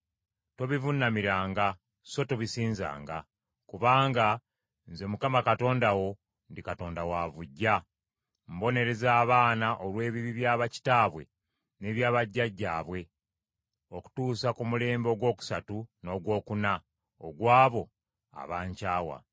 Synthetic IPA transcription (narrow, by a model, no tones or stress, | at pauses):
to̞βivunːamiɾaːŋɡa | so̞toβisiːnza̰ːŋɡa | kuβaːŋɡa | nze̞mukamakato̞ːndawo̞ | ndikato̞ːndawavuɟːa | mbo̞ne̞ɾe̞zaːβaːnaʔolwe̞ːβiβiβjaːβaci̥taːβwe̞̰ | ne̞βjaːβaɟːaɟːaːβwe̞ | o̞ku̥tuːsakumule̞ːmbo̞ɡwo̞ːku̥satuno̞ɡwo̞ːkuna | oɡwaːβo̞ | a̰βaːɲcaːwa̰